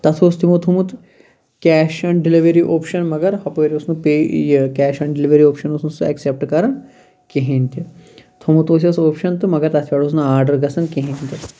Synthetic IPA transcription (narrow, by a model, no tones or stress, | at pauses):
t̪ɐt̪ʰoːst̪ʰimot̪ʰumut̪ | kʲɛːʃɐɳɖiliʋeɾiʔoːpʃɐnmɐɡɐɾhɐpoʋeɾiusnupeːjkʲɛːʃɐɳɖiliʋɐɾioːpʃɐnosnusɨɐ̰ksep̚ʈkɐɾɐn | keɦẽːnʲt̪it̪ʰomut̪oːs̬ʲɐsoːpʃɐnt̪ɨmɐɡɐɾt̪ɐt̪ʰʋʲaːɽoːsnɐaːɾɖɐɾɡɐsɐnkeɦẽnʲt̪i